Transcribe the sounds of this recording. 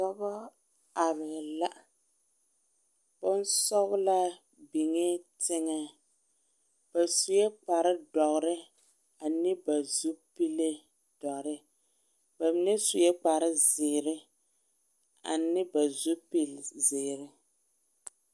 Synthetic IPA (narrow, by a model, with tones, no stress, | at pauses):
tɔ˦bɔ˦ | a˨βɪ˨la˦ʔ | bʊ˦n˦sɔ˦ɣla˦ | bi˨ŋɛ˦tʰɪ˦ŋa˦ | b̥a˨su˨jɛ˦k͡pa˨ɾɪ˦dɔ˨ɣɾɪ˦ | a˨nɪ˦ba˨zu˦pi˦le˦ | d̥ɔ˨ʔɾɪ˦ | ba˨mi˦ne˦su˨jɛ˦k͡pa˨ɾɪ˦zɪː˨ɾɪ˦ | a̰˨nɪ˦ba˨zu˦pi˦lzɪː˨ɾɪ˦